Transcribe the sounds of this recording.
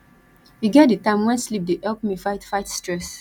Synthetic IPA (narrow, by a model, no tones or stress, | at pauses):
hiɡɛt̚dɨtãɪ̃mwɛ̃nslip̚deʔɛlk̚mifaɪtfaɪtstɹɛs